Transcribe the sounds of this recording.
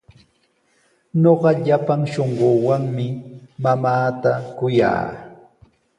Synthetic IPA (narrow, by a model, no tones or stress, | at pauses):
ɲoɢɑʎapaŋʃoɴɢowaŋmɪmamaːt̪akʊja̰ː